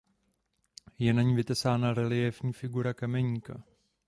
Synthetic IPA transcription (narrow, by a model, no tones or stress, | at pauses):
jɛnaɲivɪt̪ɛsaːnaɾɛlɪjɛvɲiːfɪɡuɾakamɛɲika